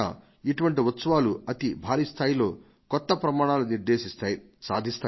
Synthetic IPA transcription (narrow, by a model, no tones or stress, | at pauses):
a̰ː | iʈuʋɐɳʈiʋɐt̪sɐʋaːluɐt̪ibʱaːɾiːst̪ʰaːjilo̞ː | kɔt̪ːɐpɾɐmaːɳaːluniɾd̪eːʃist̪aːji | sa̰ːd̪ʱist̪aː